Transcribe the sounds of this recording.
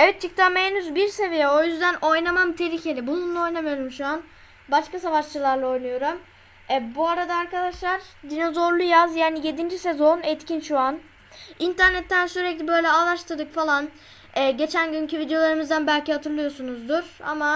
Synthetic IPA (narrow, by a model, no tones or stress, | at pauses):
evɛt̪̚t͡ʃʰɯk̚t̪ʰamenyzbiɾse̞vijɛo̞jyzd̪æno̞jnamamt̪ʰe̞ɾiːcʰe̞lʲibunˠunlːˠao̞jnamɯjo̞ɾumʃuan | baʃkasavaʃt͡ʃɯlˠaɾlˠao̞jnujo̞ɾum | ɛbuaɾad̪aːɾkad̪aʃlˠaɾd̪inozo̞ɾlˠujazjaːnije̞d̪ind͡ʒise̞zo̞nɛt̪cʰinʃuan | int̪ʰæɾnɛt̪ʰːænsyɾɛclʲibø̞jlʲɛaːlˠaʃt̪ɯd̪ɯkfalˠan | ɛːɟe̞t͡ʃʰænɟyncʰyvid̪ejo̞lˠaɾɯmizd̪ænbælʲciɦat̪ʰɯɾlˠɯjo̞sunuzd̪uɾ̥a̰ma